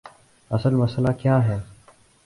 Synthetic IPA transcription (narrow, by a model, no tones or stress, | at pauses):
ɐsəlmɐslakjaːɦɛː